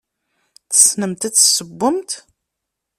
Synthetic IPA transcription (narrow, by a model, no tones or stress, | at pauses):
θə̥snəmt̪æt͡sːsəbːəmt̪